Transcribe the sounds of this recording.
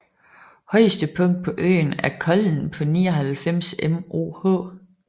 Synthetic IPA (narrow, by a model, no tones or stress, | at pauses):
hɒ̽ɪ̰sd̥əpʰɔ̽ŋ̰d̥̚pʰɒ̽ʔø̰ːnæɐkʰɒ̽ln̩pʰɒ̽niːɒ̽ɦælfem̰semʔo̝̰ːhɔ̰ː